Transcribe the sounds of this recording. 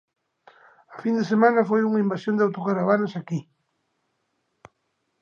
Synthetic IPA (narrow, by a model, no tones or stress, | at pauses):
afind̪esemãnɐfojuŋaimbasjõnd̪eawt̪okaɾaβanosaki